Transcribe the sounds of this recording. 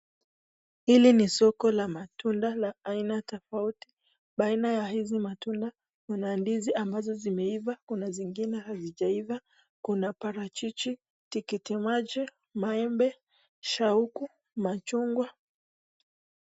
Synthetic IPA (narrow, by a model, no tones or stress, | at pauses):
hilinisɔkɔlamatundalaainatɔfauti̥ | ɓainajahizimatunda | kunandiziʔambazɔzimɛivakunaziŋɡinɛhaziʄaiva | kunapaɾat͡ʃit͡ʃi | tikitimad͡ʒɛ | maɛmbɛ | ʃauku | mat͡ʃuŋɡwa